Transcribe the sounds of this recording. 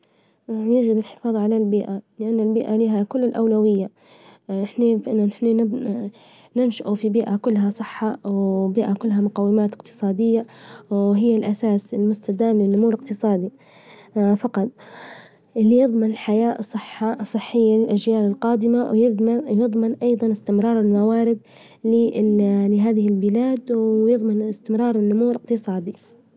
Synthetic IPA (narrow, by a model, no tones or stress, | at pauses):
jad͡ʒɪbɪlħɪ̥fɑːðˤʕalalbiːʔalɪʔanːalbiːʔaliːɦakʊlːɪlʔawlawɪjːa | ɪħnafʔɪnːanɪħnanɪ | nɪnʃaʔufibiːʔakʊlːɦasˤɨħːɑwbiːʔakʊlːɦamʊqawːɪmaːt̪ɪ̥qt̪ɨ̥sˤɑːd̪ɪjːawɦɪjːalʔasaːsɪlmʊst̪ad̪aːmlɪnʔʊmuːɾɪqt̪ɨsˤɑːd̪i | fɑqɑt̪ˤ | ʔɪlːijɨðˤmɪnɪlħajaːʔsˤːɨħːɑsˤɨħːɪjːalɪlʔad͡ʒjaːlɪlqɑːd̪ɪmajjɨðˤmɑnʔɑjðˤɑnɪst̪ɪmɾˤɑːɾˤɪlmawaːɾɪd̪̚ | lɪlɪɦaːðɪhɪlbɪlaːd̪wjɨðˤmɪnɪst̪ɪmɾˤɑːɾˤɪnːʊmuːlɪqt̪ɨsˤɑːd̪i